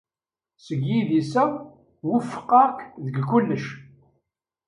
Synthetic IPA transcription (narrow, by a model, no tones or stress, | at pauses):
səɡiðisæ | wufːə̥qːɑkðəɡkːʊlːəʃ